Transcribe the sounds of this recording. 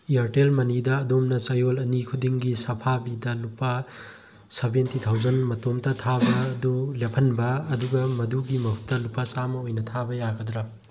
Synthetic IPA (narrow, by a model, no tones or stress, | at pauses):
iɐɾtelmɐnidɐːdomnɐt͡ʃɐjolɐnikʰudiŋɡisɐpʰabidɐlupɐ | sɐbentit̪ʰawzɐnmɐtomtɐtʰabɐdulepʰɐnbɐːduɡɐmɐduɡimɐhu̥t̪ːɐlupɐsamɐojnɐtʰabɐjaɡɐd̪ɾɐ